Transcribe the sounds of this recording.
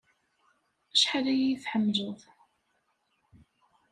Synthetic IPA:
æʃħalæjijθħəmːʒəʁθ

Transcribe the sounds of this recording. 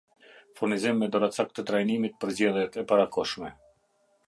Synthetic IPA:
fuɾnizimːɛd̪ɔɾat͡sak̚t̪ət̪ɾajnimit̪̚pəɾzɛðjɛt̪ɛpaɾakɔʃmɛ

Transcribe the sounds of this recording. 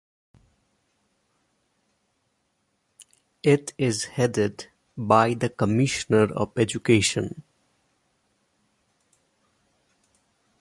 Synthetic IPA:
ɪʈʰɪzhɛɖɪɖ | baɪd̪əkəmɪʃənəɾɔ̰ʋɛd͡ʒukeːʃə̃n

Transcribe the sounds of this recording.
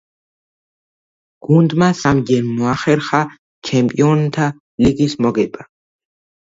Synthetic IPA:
ɡ̥und̪masamd͡ʒɛnmɔaχɛɾχa | t͡ʃʰɛmpʼiɔnt̪ʰa | liɡismɔɡɛba

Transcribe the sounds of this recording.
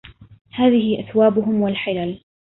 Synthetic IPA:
haːðɪhɪʔaθwaːbʊɦʊmwalħɪlaːl

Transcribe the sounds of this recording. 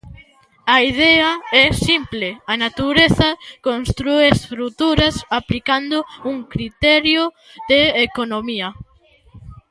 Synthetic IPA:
aiðɛɐɛsimpleanat̪uɾeθɐkonst̪ɾuest̪ɾut̪uɾɐsaplikand̪ʊuŋkɾit̪ɛɾjo | ðeekonomiɐ

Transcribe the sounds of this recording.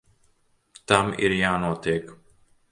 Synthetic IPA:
t̪amḭɾjaːnot̪ek

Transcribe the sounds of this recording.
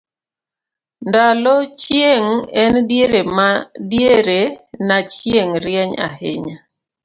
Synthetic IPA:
ndalɔt͡ʃjeŋɛndjeɾemadjeɾenat͡ʃjeŋɾjɛɲa̰hɪ̰ɲa

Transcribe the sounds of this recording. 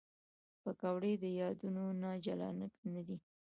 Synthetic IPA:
pəkawɽed̪əjɑd̪unonɑd͡ʒalɑ̰nəknad̪i

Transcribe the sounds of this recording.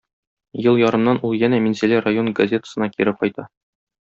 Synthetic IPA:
jɤlˠjɒɾɤ̆mnɑnulˠjænæminselʲærajo̞nɡɐzʲe̞t̪ə̥sɤ̆nɑkiɾɘp̚qɒjt̪ɑ

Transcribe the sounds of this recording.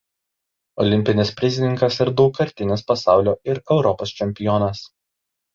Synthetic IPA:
ɔlʲɪmʲpʲɪnʲɪspʲɾʲɪzʲɪnʲɪŋkɐsɪɾd̪ɔʊkɐɾʲt̪ʲɪnʲɪspɐsɑˑʊlʲoːɪɾɛʊɾɔpoːst͡ʃʲɛmʲpʲɪjɔnɐs

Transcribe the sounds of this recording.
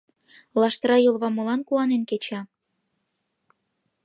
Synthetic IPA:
lɑʃt̪ɾɑjolβɑmolɑnkuɑnenket͡ɕɑ

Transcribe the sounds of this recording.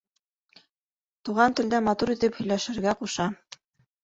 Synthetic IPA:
t̪uʁɑnt̪ɘ̆ld̪æmɑt̪uɾit̪ɘphɵ̆jlæʃɘ̆ɾɡæquʃɑ

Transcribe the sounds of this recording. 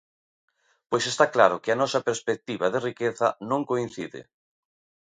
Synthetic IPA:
pojsest̪aklaɾʊkɪɐanɔsɐpeɾspek̚t̪iβɐðɪrikeθɐnõŋkoin̟θiðɪ̰

